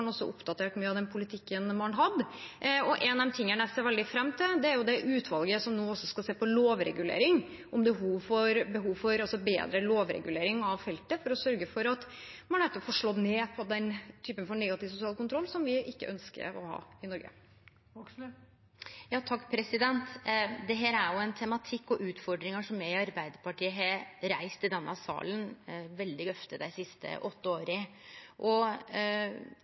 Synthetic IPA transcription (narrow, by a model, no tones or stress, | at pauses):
ɳɔsːɔʔʊ̰pd̪ɑt̪ʰeːʈmyːəɑʋd̪ɛnpʰʊlɪt̪ʰɪkːənmɑnɦɑd̪ɔʔɛnɛmt̪ʰɪŋːənɛseːɾʋɛld̪ɪfɾɛmːt̪ʰɪld̪ɛæɾjʊd̪ɛʔʉːt̪ʰʋɑlɡəsɔmnoːɔsːɔskɑseːpɔloːʋɾɛ̰ɡʉlḛːɾɪŋ | ʔɔmbɛhuːʋfɔɾbəɦuːʋfɔɾɑlsɔbḛːd̪ɾəloːʋɾɛ̰ɡʉleːɾɪŋɑʋfɛlt̪əfɔɾɔsœɾɡəfɔɾɑt̪mɑnæɾt̪ːfɔːʂɭɔd̪neːpʰɔd̪ɛnt̪ʰyːpənfɔɳɛɡɑt̪ɪʋsʊsɪɑːlkʊnt̪ʰɾɔlːsɔmʋɪʔɪkːə̰ʔœnskə̰ɾɔhɑ̰ːɪnɔɾɡə̰ | jɑːt̪ʰɑkːpʰɾɛsɪd̪ɛnt̪d̪ɛɦeːɾæɾjʊɛnt̪ʰɛmɑt̪ʰɪkːɔʔʉːt̪fɔɖɾɪŋəʂɔmjæɪɑɾbæɪd̪əɾpɑʈiːəɦɑɾæɪst̪ɪd̪ɛnːʔɑsɑ̰ːlənʋɛld̪ɪɡœft̪əd̪æɪsɪst̪ə̰ʔɔt̪ːəoːɾəʔɔ